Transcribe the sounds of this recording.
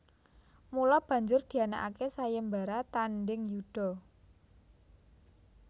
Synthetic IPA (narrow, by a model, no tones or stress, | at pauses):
mulɔb̥ä̤ɲd͡ʒʊrd̪̥i̤ana̰ʔakesajəmbaɾat̪anɖɪŋjud̪̥ɔ̤